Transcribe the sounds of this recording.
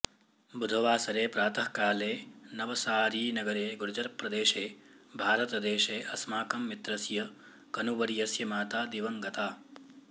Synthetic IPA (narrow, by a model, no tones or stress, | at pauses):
bʱud̪ʱɐʋaːsɐɾeːpɾaːt̪ɐhkaːleːnɐʋɐsaːɾiːnɐɡɐɾeːɡuɾd͡ʒɐɾpɾɐd̪eːʃeː | bʱaːɾɐt̪ɐd̪eːʃeːʔɐsmaːkɐmːit̪ɾɐsjɐ | kɐnuʋɐɾjɐsjɐmaːt̪aːd̪iʋɐŋɡɐt̪aː